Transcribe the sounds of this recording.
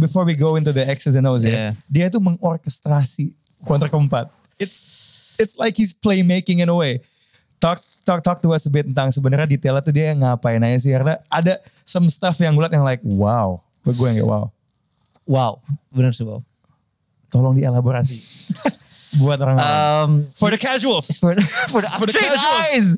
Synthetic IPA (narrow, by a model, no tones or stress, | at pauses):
bifɔrwiɡowɪnt̪uðəɛksəzɛnols̬adiait̪̬uməŋɔrkɛst̪ɾasi | kwɔt̪ərkəmpat̪̚ | ɪtsɪtslajkhisplemekɪ̃ŋɪnəwe | t̪ɔk̚t̪ɔk̚t̪ɔk̚t̪uasəbɪt̪̚ənt̪aŋsəbənaɾɲadit̪elat̪udiaŋapajnajas̬ɪhkaɾənaːdasamst̪afjaŋɡulat̪̚jaŋlaɪk̚waw | bəɡuaŋɡɛ̰ʔwa̰w | wawbənərsəa̰ | t̪olɔŋdielaboɾasi | buat̪̚oɾaŋlamfɔdəkaʒuəlsfɔfɔdəaʒlz